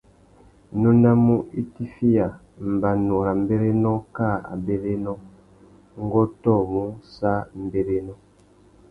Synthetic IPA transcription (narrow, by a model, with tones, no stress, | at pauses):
nu˦na˦mu˦i˦ti˦fi˦ja˨ | m̩˨ba˨nu˨ɾa˨m˦be˦ɾe˦nɔ˦ka˦˨a̰˨be˨ɾe˦nɔ˦ | ŋ˦ɡɔ˦tɔ˦˨mu˦sa˦m˨be˨ɾe˦nɔ˦